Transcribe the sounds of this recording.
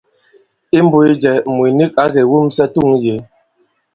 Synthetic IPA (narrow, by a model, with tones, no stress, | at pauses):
i˦m˦bu˦i˦d͡ʒɛ˨mwi˨ni˦k̚a˦ɣe˨wu˦msɛ˦tu˦˨ŋje˨˦